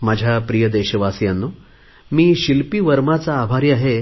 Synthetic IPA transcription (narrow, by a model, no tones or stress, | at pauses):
mad͡ʑʱjapɾijəd̪eɕəʋasjanːu | miːɕilpiːʋəɾmat͡saːbʱaɾiaɦe